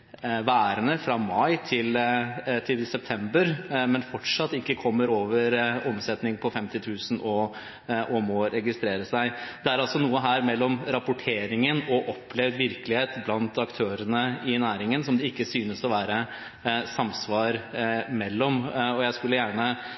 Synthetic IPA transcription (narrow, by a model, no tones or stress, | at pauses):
ʋæːɾənəfɾɑmɑɪt̪ʰɪlt̪ʰɪlsɛp̚t̪ʰɛmbəɾmɛnfɔʈʂɑt̪ːɪkːəkʰɔmːəɾoːʋəɾɔmsɛt̪nɪŋpʰɔfɛmt̪ɪt̪ʰʉːsənɔ | ʔɔmɔɾɛɡɪst̪ɾeːɾəsæɪd̪̥ɛæɾɑlsɔnuːəɦæːɾmɛlːɔmɾɑpʊʈʰeːɾɪŋənɔʔɔpʰːlɛʋʋɪɾkəlɪheːt̪blɑnt̪ɑkt̪ʰøːɾənəɪnæːɾɪŋənsɔmd̪ɛɪkːəsyːnəsɔʋæːɾə | sɑmsʋɑːɾmɛlːɔmɔjæɪskʉlːəjæːɳə